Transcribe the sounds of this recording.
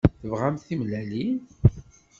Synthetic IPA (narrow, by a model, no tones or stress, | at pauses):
θəvʁamθimlælin